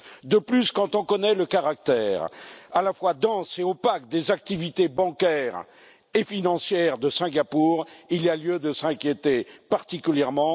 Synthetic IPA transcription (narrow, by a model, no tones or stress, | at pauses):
d̪əplyskɑ̃t̪ɔ̃kɔnɛləkaʁak̚t̪ɛːʁalafwad̪ɑ̃seopakd̪ezak̚t̪ivit̪ebɑ̃kɛʁ | efinɑ̃sjɛʁd̪əsɛ̃ɡapuʁilialjød̪əsɛ̃kʲjet̪epaʁt̪ikʲyljɛʁmɑ̃